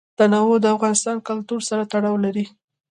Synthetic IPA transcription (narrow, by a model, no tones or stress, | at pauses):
d̪̥anɑwod̪əafɣɑnɪst̪ɑnkʊlt̪uɾsaɾat̪aɽɑwlaɾi